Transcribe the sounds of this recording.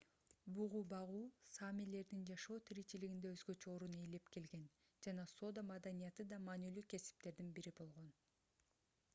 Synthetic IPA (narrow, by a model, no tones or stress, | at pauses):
buʁubɑʁuːsamile̞ɾd̪ind͡ʒɑʃo̞ːt̪ʰiɾit͡ʃiliɡind̪e̞øzɡø̞t͡ʃøo̞ɾune̞jle̞pke̞lɡe̞n | d͡ʒɑnɑso̞d̪amɑd̪anijɑt̪ɯd̪ɑmɑːnylyːke̞si̥p̚t̪e̞ɾd̪inbiɾibo̞lˠʁo̞n